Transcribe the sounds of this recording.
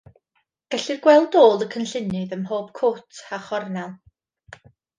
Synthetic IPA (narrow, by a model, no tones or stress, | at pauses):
ɡ̥ɛɬɨrɡwɛlˠdoːlˠəkʰənɬɪnɨðəmɦoːb̥̚kʰoːtʰaχɔrnɛlˠ